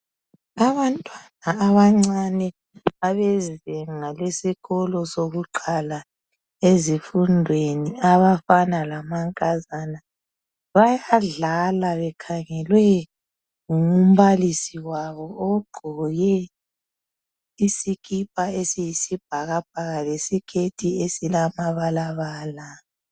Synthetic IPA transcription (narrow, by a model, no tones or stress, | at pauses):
aβantʼwanaːβaŋ͡ǀanɛ | aβɛzɛŋalesiɣɔlɔsoɣuǃʰʱala | ezifundʱweniaβafanalamaŋkʼazana | βajaɮalaβɛkʰaŋɛlwɛ | ŋum̩βalisiwaβɔːɡ͡ǃʱɔjɛ | isikʰʼip̚ʼaesijisib̥ʱaɣab̥̚ʱaɣalesikʰetʰʼiesilamaβalaβaːla